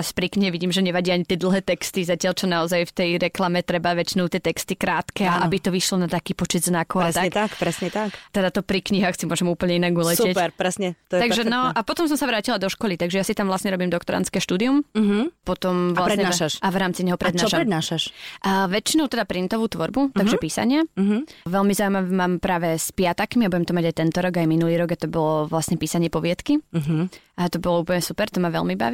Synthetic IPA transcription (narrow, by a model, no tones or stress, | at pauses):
aspɾikɲiɦɛʋiɟiːmʒɛɲɛʋaɟiaɲit̪ɪɛd̪l̩ˠɦɛːt̪ɛkst̪izacɪalt͡ʃɔnaɔzajft̪ɛjɾɛklamɛt̪ɾɛbaʋɛt͡ʃinɔʊt̪ɪɛt̪ɛkst̪ikɾaːt̪kɛːaʔabit̪ɔʋiʃlɔnat̪akiːpɔt͡ʃɛd̪znakɔʊaɛst̪aɛt̪akpɾɛsɲɛt̪akt̪ɛd̪at̪ɔpɾikɲiɦaxsimʊɔʒɛmuːpl̩ˠɲɛinaɡulɛcsɛcɛɾpɾɛsɲɛt̪ɔjt̪aɡʒɛnɔʔapɔt̪ɔms̬ɔmsaʋɾaːcilad̪ɔʃkɔlit̪aɡʒɛjasit̪amʋlasɲɛɾɔbiːmd̪ɔkt̪ɔɾa̰nt͡skɛːʃt̪uːd̪iumɦpɔt̪ɔmʋlaɾɲɛaʃaʃaʋɾaːmt͡siɲɛɦɔpɾɛd̪naːʃaɾɛd̪naːʃaʃʔʋɛt͡ʃinɔʊt̪ɛd̪apɾint̪ɔʋuːt̪ʋɔɾbut̪aɡʒɛpiːsa̰ɲɪaɦʋɛlmizaujmaʋɛmaːmpɾaːʋɛspɪat̪akmiabuɟɛmt̪ɔmaɟajt̪ɛnt̪ɔɾɔɡajminuliːɾɔɡat̪ɔbɔlɔʋlasɲɛpiːsaɲɪɛpɔʋɪɛt̪kiɦ | at̪ɔbɔlɔuːpl̩ɲɛsupɛɾt̪ɔmaʋɛ̰lmiba̰ʋi